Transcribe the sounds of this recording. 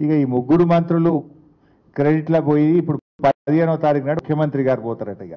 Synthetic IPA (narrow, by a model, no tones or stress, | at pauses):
ikɐiːmuɡːuɽumɐnt̪ɾulu | kɾeɖiʈlɐpoːjid̪iːpːuɽupɐd̪ijenɐt̪aːɾiknaːɽukʰjɐmɐnt̪ɾiɡaːɾipɔːt̪aːɾɐʈɐiɡa